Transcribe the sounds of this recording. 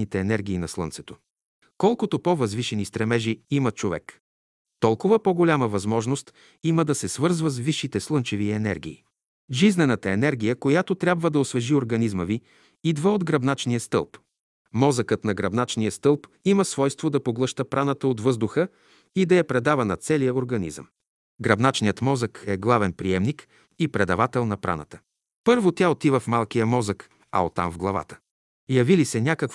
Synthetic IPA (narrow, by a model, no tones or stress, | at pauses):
it̪ɛːnɛɾɡʲiːnɐslˠɤ̰nt̪sɛ̥t̪o̥ | kɔlˠkot̪opovɐzviʃɛnist̪ɾɛmɛʒiimət͡ʃovɛ̰k | t̪ɔlˠkʊvəpoɡolʲaməvɐzmɔʒnost̪ | iməd̪ɐsɛsvɤɾzvəsviʃːit̪ɛslˠɤnt͡ʃɛviɛnɛ̰ɾɡʲḭː | ʒiznɛnət̪əɛnɛɾɡʲijəkojat̪ot̪ɾʲabvəd̪ɐosvɛʒioɾɡɐnizməvi | id̪vaod̪ɡɾɐbnat͡ʃnijəst̪ɤ̰lˠp | mɔzəkət̪nɐɡɾɐbnat͡ʃnijəst̪ɤlˠpiməsvɔjst̪vod̪ɐpoɡlˠɤʃt̪əpɾanət̪əot̪vɤzd̪ʊxə | id̪ɐjɛpɾɛd̪avənɐt̪sɛlijəoɾɡɐnḭzə̰m | ɡɾɐbnat͡ʃnijət̪mɔzəkɛɡlˠavɛnpɾiɛmnik | ipɾɛd̪ɐvat̪ɛlˠnɐpɾʔa̰nə̰t̪ə̥ | pɤɾvot̪ʲjaot̪ivəfmalˠkijəmɔzək | ɐ̰o̰t̪ːa̰mvɡlˠɐva̰t̪ə̥ | jɐvilisɛnʲakək